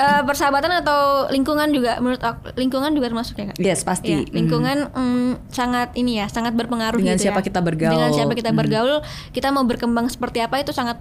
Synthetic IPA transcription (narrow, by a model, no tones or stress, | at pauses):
ʔəpərsəabat̪anat̪awliŋkuŋand͡ʒuɡamənʊt̪ɔk̚liŋkuŋand͡ʒuɡat̪ərmasʊ̥k̚ɲaka̰ʔjɛspast̪j̪iliŋkuŋansaŋat̪inijasaŋat̪̚bərpəŋaɾʊdəŋɡainsiapakit̪abərɡadəŋansiapakit̪abərɡaʊl | kit̪amaubərkəmbaŋsə̥pərt̪iapait̪usaŋat̪̚